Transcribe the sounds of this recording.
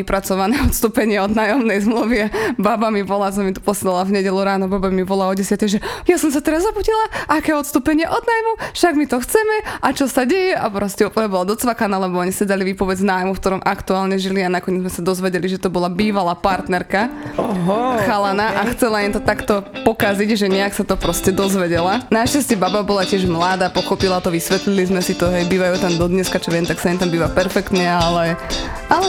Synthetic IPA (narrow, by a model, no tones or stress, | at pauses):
ipɾat͡sɔʋanɛɔt̪st̪uːpɛɲɪɛɔd̪naːjɔmnɛjzmluʋiababamibɔlas̬ɔmit̪ɔ̥pɔslɛlavɲɛɟɛluɾaːnɔbabamibɔlaɔɟɛsjat̪ɛjʒɛjasɔms̬at̪ɛɾazːapucilaʔakɛːɔt̪st̪uːpɛɲɪɛʔɔd̪̚naːjmufʃaɡmit̪ɔxt͡sɛmɛʔat͡ʃɔsaɟɛjɛʔapɾɔscɛuplɲɛbɔlad̪ɔt͡sʋakanaːlɛbɔɔɲisɛd̪aliʋipɔʋɛd͡znaːjmufkt̪ɔɾɔmʔakt̪uaːlɲɛʒilianakɔɲɪɛd͡zmɛsad̪ɔzʋɛɟɛliʒɛt̪ɔbɔlabiːʋalapaɾt̪nɛɾkaɦxalanaʔaxt͡sɛlaimt̪ɔt̪akt̪ɔpɔkaziɟʒɛɲɛaksat̪ɔpɾɔscɛd̪ɔzʋɛɟɛlanaʃcascɛbababɔlacɪɛʒmlad̪aːpɔxɔpilat̪ɔʋisʋɛt̪lilizmɛsit̪ɔɦɛjbiːʋajut̪amd̪ɔd̪ɲɛskat͡ʃɔʋɛmt̪aksaɛnt̪ambiːʋapɛɾfɛkt̪ɲɛalɛ | alɛ